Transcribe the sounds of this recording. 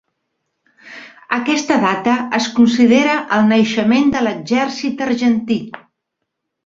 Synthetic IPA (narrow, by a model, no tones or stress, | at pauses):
əkɛst̪əðat̪əəskunsiðeɾəʔəlˠnəjʃəmend̪ələɡʒɛrsit̪ərʒənt̪i